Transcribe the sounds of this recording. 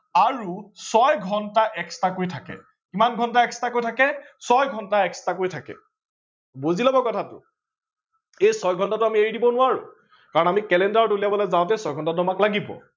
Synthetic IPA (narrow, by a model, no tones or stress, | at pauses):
aɹusɔjɡʱɔntaʔɛkstakojtʰakɛ̰ | kimanɡʱɔntaɛkʰstakojtʰakɛsɔjɡʱɔntaɛkʰstakojtʰakɛ̰ | bozilabɔkɔtʰatʊ̰ | ejsɔjɡʱɔntatʊamieɹdibɔnʊaɹʊ̰ | kaɹɔnamikɛlɛndaɹɔtuliabɔlɛjzaʊ̃tɛsɔjɡʱɔntatʊamaklaɡibɔ̰